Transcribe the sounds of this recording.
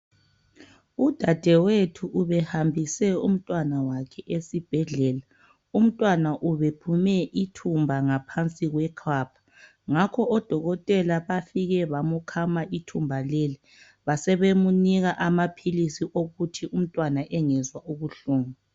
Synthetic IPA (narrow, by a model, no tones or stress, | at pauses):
ud̥ʱad̥ʱɛwetʰuʔːβɛhambʱisɛṵm̩tʼwanawakʰɛʔesib̥ʱɛɮɛːla | um̩tʼwanaʔuβepʰumɛʔitʰumbʱaŋapʰant͡sʼiɣwɛkʰapʰḁ | ŋakʰɔʔɔd̥ʱɔɣɔtʼɛlaβafiɣɛβamukʰamaʔitʰumbʱaleli | βasɛβemuniɣaʔamapʰilisiʔoɣutʰium̩tʼwanaʔɛŋɛzwaʔuɣuɬuːŋu